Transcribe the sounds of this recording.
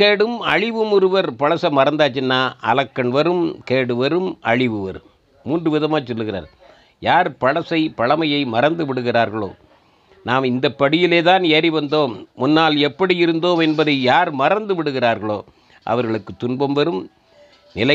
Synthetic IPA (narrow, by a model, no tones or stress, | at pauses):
keːɽɯmɐ̰ɻɪʋɯmʊɾɯʋɐɾpɐɻɐsɐmɐɾɐnd̪aːt͡ʃːɪnːaːʔɐ̰lɐkːɐnʋɐɾɯmkeːɽɯʋɐɾɯmɐ̰ɻɪʋɯʋɐ̰ɾ | muːndrɯʋɪðɐmaːt͡ʃːɔlːɯɣɪra̰ːɾ | jaːɾpɐɻɐsɐɪpɐɭɐmɐjɐɪmɐɾɐnd̪ɯʋɪɽɯɣɪraːɾɣɐɭo̰ː | naːmɪnd̪ɐpːɐɽɪjɪleːðaːneːɾiʋɐnd̪oːmmʊnːaːlɛpːɐɽijɪɾɯnd̪oːmɛnbɐðɐɪjaːɾmɐrɐnd̪ɯʋɪɽɯɣɪraːɾɣɐɭoː | ʔɐ̰ʋɐɾɣɐɭɯkːɯt̪ːʊnbɐmʋɐɾɯm | nɪlɐ